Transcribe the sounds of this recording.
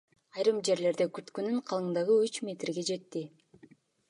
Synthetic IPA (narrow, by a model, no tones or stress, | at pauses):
ɑjɾɯmd͡ʒe̞ɾle̞ɾd̪ekyt̪kønyɴqʰɑlˠɯnd̪ɑʁɯyt͡ʃmʲe̞t̪rɡe̞d͡ʒe̞t̪ːi